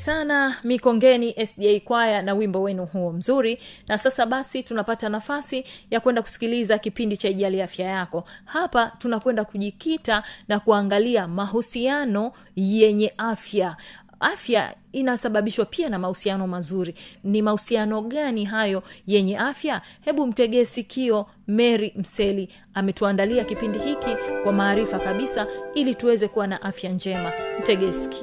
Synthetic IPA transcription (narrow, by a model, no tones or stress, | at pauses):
sanamikɔŋɡɛniʔɛsɗiɛjkwajanawimbɔwɛnuhuɔm̩zuɾinasasaɓasitunapatanafasijakwɛndaku̥si̥kilizakipindit͡ʃaiʄaliafjajakɔhapatunakwɛndakuʄikitanakuaŋɡaliamaɦusianɔ | jɛɲɛʔafja | afja̰ | inasaɓaɓiʃwapianamahusianɔmazuɾinimahusianɔɠaniɦajɔjɛɲɛʔafjahɛɓum̩tɛɠɛsikʰiɔ | mɛɾim̩sɛli | amɛtuandaliakipindihikikwamaːɾifakaɓisailituwɛzɛkuwanaʔafjand͡ʒɛmam̩tɛɠɛsi̥ki̥ɔ